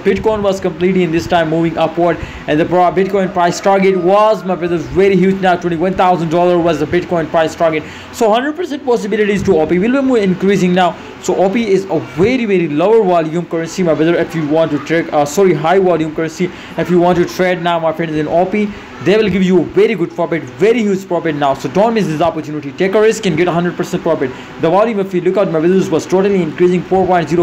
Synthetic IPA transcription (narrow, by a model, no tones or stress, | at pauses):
bɪʈkɔ̃ɪ̃nʋɔz̥kə̃mpliːʈliɪ̃nd̪ɪsʈãɪ̃mːuːʋɪ̃ŋʌpwəɾɖ | ɛ̃nd̪əpabɪʈ̚kɔ̃ɪ̃npɾaɪsʈaɾɡeʈwɔzmaɪbɹʌðəɾzʋɛɾiɦjuːd͡ʒnaʊtwɛ̃nʈiʋʌ̃nt̪ʰaʊzə̃nɖɖɔːləɾʋɔzəbɪʈ̚kɔ̃ɪ̃npɾaɪsʈaɾɡeʈ̚ | soːɦʌ̃nɖɾəɖ̚pəɾsɛ̃nʈ̚pɔs̬ɪbɪlɪʈizʈuɔpiʋilbimuːɪ̃nkɾiːsɪ̃ŋnaʊ | soʔɔːpiɪzəʋɛɾiʋɛɾiloʊəɾʋɔljũmkʌɾə̃nsimaɪʋɪðəɾɪfjuːʋɔ̃nʈːuʈɾɛkːsɔːɾiɦaɪʋɔljũːmkəɾə̃nsi | ɪfjuːʋɔ̃ːnʈːuʈʰɾeɖ̚naʊmaɪfɾɛ̃ɳzɪ̃nɔpi | d̪eːʋɪlɡɪʋjuːəʋɛɾiɡʊɖ̚pɔpɪʈʋɛɾihjuːd͡ʒpɹɔpɪʈnaʊsoːɖõːnʈmɪsd̪ɪsɔpəɾtjuːnɪʈiʈeːkəɾɪskɛ̃nɡɛʈəɦʌ̃ɳɖɾəɖ̚pəɾsɛ̃ɳʈ̚pɾɔpɪʈ | d̪əʋɔljũmɪfʋilʊkaʊʈ̚maɪʋɪd̪əɾzʋɔzʈoːʈəliɪ̃nkɾiːzɪ̃ŋfoːɾpɔ̃ɪ̃ɳʈziɾo